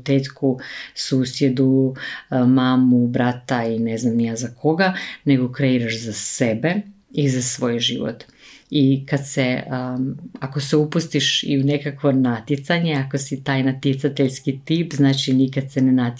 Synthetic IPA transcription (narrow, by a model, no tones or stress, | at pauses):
t̪eːt̪kusuːsjed̪u | maːmubɾat̪aineznamnijaːzakʰo̞ɡane̞ɡo̞kɾeiɾaʃzasebe̞ | izasʋo̞ːjʒḭʋo̰t̪ | ikad̪se | ako̞seupust̪iʃḭunekakʋo̞nat̪jet̪saɲeako̞sit̪aːjnat̪jet̪sat̪eʎskit̪iːpznaːt͡ʃinikad̪senenat̪